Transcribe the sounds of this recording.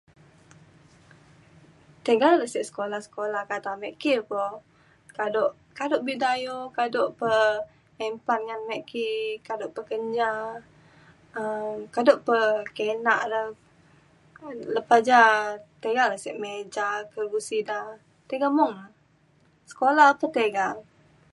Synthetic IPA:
t̪əɡalləsɛʔsə̥kolahsə̥kolahkat̪amɛʔkipɔ | kadoʔ | kadoʔbidajokadoʔpə | ɛmpanŋanmɛʔkikadoʔpəkəɲd͡ʒa | əkadoʔpəkenaʔdə | ləpad͡ʒat̪eɡaləsɛʔmed͡ʒakəɡusida | t̪eɡamɔŋla | sə̥kolapət̪eɡaŋ

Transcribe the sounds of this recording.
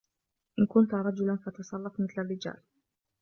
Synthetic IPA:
ʔɪnkʊnt̪ɾˤɑd͡ʒʊlanfɑt̪ɑsˤɑlˤːɑfmɪθlarːɪd͡ʒa̰ːl

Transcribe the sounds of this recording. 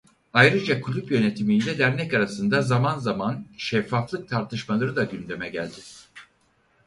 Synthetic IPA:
ajɾɯd͡ʒakʰulʲupjø̞ne̞t̪ʰimind̪ɛlʲæɾnɛcaɾasɯnd̪azamanzamanʃɛfːaflˠɯk̚t̪ʰaɾt̪ʰɯʃmalˠɯɾɯd̪aɟynd̪e̞mɛɟæ̰lʲd̪ɪ

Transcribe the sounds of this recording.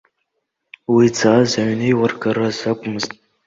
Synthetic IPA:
wid͡zaːzaɥnejwarɡaɾazakʷʼʊmɨztʼ

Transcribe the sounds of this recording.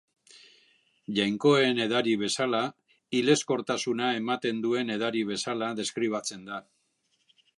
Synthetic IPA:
ʝajŋko̞ene̞ðaɾiβ̞e̞sala | ile̞sko̞ɾt̪asunae̞mat̪e̞nd̪ue̞ne̞ð̞aɾiβ̞e̞salaðe̞skɾiβ̞at͡se̞nd̪a

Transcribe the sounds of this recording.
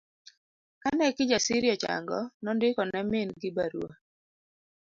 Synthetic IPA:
kanɛkɪd͡ʒasiɾjɔt͡ʃa̰ŋɡɔ̰nɔndɪkɔnɛmɪnɡɪbaɾuo

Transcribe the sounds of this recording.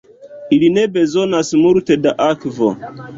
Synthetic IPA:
ilinebezonasmultedaʔakvo̰

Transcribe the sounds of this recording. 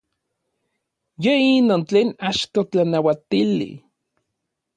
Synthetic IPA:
jeinoːnt͡ɬeːnaʃt̪ot͡ɬanawat̪ilḭ

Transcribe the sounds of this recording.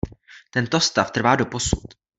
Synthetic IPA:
t̪ɛnt̪ost̪aft̪r̩vaːdo̞posṵt̪

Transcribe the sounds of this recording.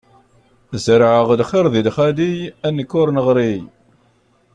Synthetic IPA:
zəɾʕəʁd̪χɪɾðid̪χæd̪ijænːəkːʊɾnəʁɾij

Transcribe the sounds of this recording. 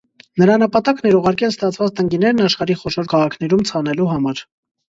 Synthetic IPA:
nəɾɑnəpɑt̪ɑknɛɾuʁɑɾkɛlst̪ɑt͡sʰvɑt͡st̪əŋɡinɛɾnɑʃχɑɾiχɔʃɔɾkʰɑʁɑkʰnɛɾumt͡sʰɑnɛluɦɑmɑɾ

